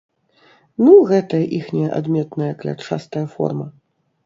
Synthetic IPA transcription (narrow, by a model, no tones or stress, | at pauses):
nuɣɛt̪ɐjɐʔixnʲɛjɐʔa̰d̪mʲɛt̪nɐjɐklʲa̰t͡ʂa̰st̪ɐjɐfɔ̰rmɐ